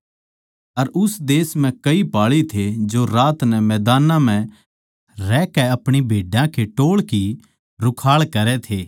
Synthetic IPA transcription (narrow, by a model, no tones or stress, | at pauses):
ɐɾʊsd̪eːsm̤ɛ̃kɐipaːɭit̪ʰed͡ʒoɾaːt̪nɛmɛːd̪aːnãm̤ɛ̃ | ɾɛːkɛɐpɽ̃ibʱeːɖjãkʰeʈoːɭki | ɾʊkʰaːɭkɐɾɛt̪ʰeː